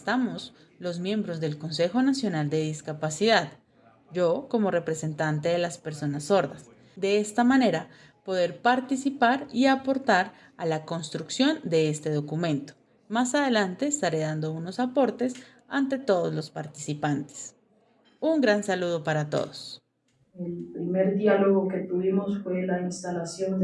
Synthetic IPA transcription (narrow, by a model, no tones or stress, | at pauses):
est̪amo̞s | lo̞zmjẽ̞mbɾo̞zðe̞lko̞nse̞xo̞nasjo̞nald̪e̞ðiskapasiðað | d͡ʒo̞ko̞mo̞re̞pɾe̞se̞nt̪ant̪e̞ðe̞laspe̞ɾso̞nasːo̞ɾðas | d̪e̞est̪amane̞ɾa | po̞ðe̞ɾpaɾt̪isipaɾiapo̞ɾt̪aɾ | alako̞nst̪ɾuksjo̞nd̪e̞est̪e̞ð̞o̞kumẽ̞nt̪o̥ | masað̞e̞lant̪e̞ːst̪aɾe̞ðand̪o̞uno̞sapo̞ɾt̪e̞s | ant̪e̞t̪o̞ðo̞zlo̞spaɾt̪isipant̪e̥s | uŋɡɾansaluð̞o̞paɾat̪o̞̰ðo̞s | elpɾimeɾdjaloɣoke̞t̪uβimosfwelainst̪alasjon